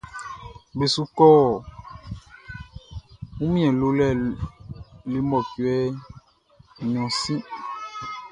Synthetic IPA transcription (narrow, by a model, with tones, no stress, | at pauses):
be˨su˦kɔ˦˨ | wũ˦mĩ˦ɛ̃˨lo˨˦lɛ˦˨ | le˦mɔ˨ku˨ɛ˦ | ɲ˨ɔ̃˨sĩ˦